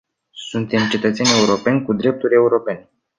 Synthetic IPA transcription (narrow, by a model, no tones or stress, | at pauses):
sunt̪e̞mt͡ʃe̞t̪ət̪sʲenʲe̞uɾo̞pe̞nʲkud̪ɾe̞p̚t̪uɾʲe̞uɾo̞pe̞n